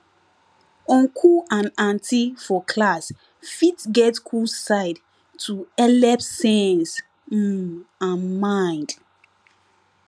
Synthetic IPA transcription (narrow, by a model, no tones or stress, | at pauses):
ɔ̃nkʰuãnãntʰifɔkʰlas | fitɡɛtkʰusaɪd | tʰuɛlɛpsɛ̃ns̩ | ãnmãj̃nd̥